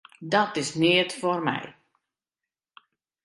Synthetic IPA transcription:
dɔtɪsnɪətformɛ̰j

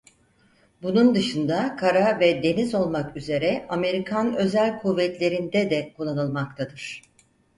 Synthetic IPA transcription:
bunund̪ɯʃɯnd̪akʰaɾavɛd̪e̞nizo̞lˠmakyze̞ɾɛame̞ɾikʰanø̞zælʲkʰuvːɛt̪lʲe̞ɾind̪ɛd̪ɛkʰulˠːanɯlˠmak̚t̪ʰad̪ɯɾ̥

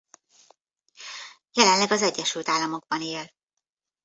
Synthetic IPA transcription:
jɛlɛnlɛɡɒzɛɟːɛʃylt̪aːlːɒmo̞ɡ̚bɒneːl

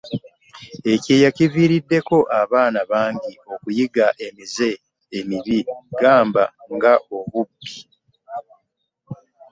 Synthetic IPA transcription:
e̞ce̞ːjaciviːɾidːe̞ko̞ʔaβaːnaβaːɲɟio̞kujiɡaʔe̞mize̞ː | miβiɡaːmbaŋɡaʔo̞βubːi

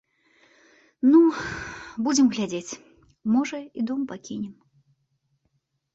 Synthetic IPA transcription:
nu | bud͡zʲɪmɣlʲad͡zʲet͡sʲ | mɔʐɐid̪ɔmpakʲinʲɛm

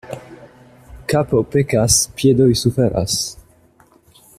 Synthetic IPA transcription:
kapopekaspjed̪ojsufeɾʔa̰s

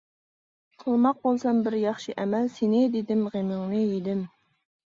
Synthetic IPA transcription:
qʰəlˠmɑq̚bolˠsɑmbɪɾjɑχʃiʔɛmɛlsenɪd̪ed̪ɪmʁemɪŋnɨjed̪ɪm

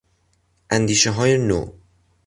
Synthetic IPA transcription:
ʔænd̪iːʃeɦɒːjeno̰ː

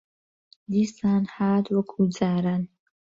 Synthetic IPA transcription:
d̪isaːnhaːd̪wɐkʰud͡zaːɾan

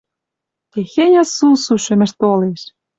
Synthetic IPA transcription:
t̪exenʲɑsusuʃɘ̆mɘ̆ʃt̪oleʃ

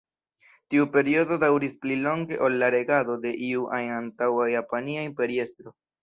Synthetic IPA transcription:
tiupe̞ɾio̞do̞dawɾisplilo̞ŋɡe̞̰ʔo̞lːaɾe̞ɡado̞de̞ʔiuʔajantawajapaniaimpe̞ɾie̞stɾo̞

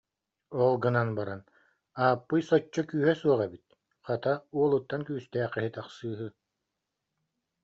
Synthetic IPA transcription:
ɔlˠɡɯnanbaɾan | aːpːɯjsɔt͡ɕːɔkyːɦɛsuɔʁɛbit̪̚ | χat̪auɔlˠɯt̪ːankyːst̪ɛːχɛɦit̪aχsɯːɦɯ

